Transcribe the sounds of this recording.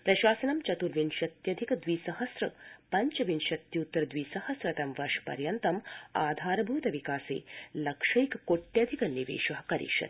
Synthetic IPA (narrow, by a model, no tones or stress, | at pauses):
pɾɐʃaːsɐnɐmt͡ʃɐt̪uɾʋinʃɐt̪jɐd̪ʱikɐd̪ʋiːsɐɦɐsɾɐpɐɲt͡ʃɐʋinʃɐt̪jɐut̪ːɐɾɐd̪ʋiːsɐhɐsɾɐt̪ɐmʋɐɾʂpɐ̰ɾjɐnt̪ɐma̰ːd̪ʱaːɾɐbʱuːt̪ɐʋikaːsḛːlɐkʂɐjkkoʈːjɐd̪ʱikɐniʋḛːʃɐɦɐkɐɾḭːʃɐ̰t̪